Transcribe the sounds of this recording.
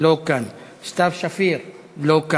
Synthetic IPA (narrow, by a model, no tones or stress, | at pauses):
lokan | st̪afʃafiɾ | loka